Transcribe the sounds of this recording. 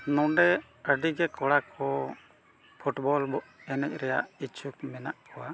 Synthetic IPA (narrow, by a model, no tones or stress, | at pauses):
nɔɖɛ | əɖiɡɛkɔɽakʰɔ | pʰuʈbɔlbɔʔɛnɛc̚ˀɾɛja̰ʔit͡ʃukmɛnaʔkʰɔwa